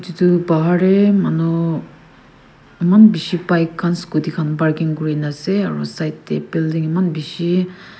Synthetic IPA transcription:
titubaɦaɹɛmanu | imanbisibajkʰːanskudikʰanbaɹkiŋkuɹinasɛaɹṵsajtːɛ̰bildiŋɛmanbisi

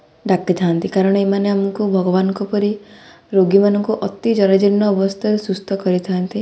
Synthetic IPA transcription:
ɖakit̪ʰant̪ikaɾɔɽ̃ɔemaneamɔŋkubʱɔɡɔβanɔŋkɔpɔɾi | ɾoɡimanɔŋkuʔɔt̪id͡ʒɔɾad͡ʒiɾnːɔːbɔst̪ʰɔɾesust̪ʰɔkɔɾit̪ʰant̪i

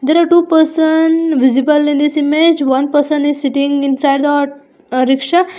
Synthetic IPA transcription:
d̪eɾaʈuːpəɾsənʋɪzibəlĩnd̪isimed͡ʒʋɐ̃npəɾsə̃nizsiʈĩŋɡɪ̃nsajɖd̪ɔʈ | ɾɪkʂa

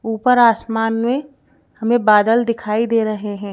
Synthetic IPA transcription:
uːpəɾaːsmaːnmẽ | hɐmẽbaːd̪əld̪ɪkʰaːid̪eːɾɐɦeɦɛ̃ː

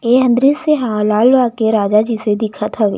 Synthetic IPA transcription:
eːɦə̃nd̪ɾiseɦãːlaːlʋakeɾaːd͡ʒad͡ʒised̪ɪkʰat̪ʰɐʋḛː

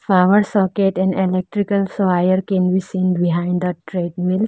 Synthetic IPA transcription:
faːməɾsɔkeʈɛ̃nɖelɛk̚ʈɾikəlsʋajəɾkɛ̃nbisĩːnbiɦãɪ̃ɳɖd̪əʈɾeːɖmil

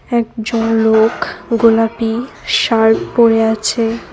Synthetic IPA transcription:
ɛkd͡ʑonlokɡolapi | ʃaɾʈpoɾeat͡ɕʰe

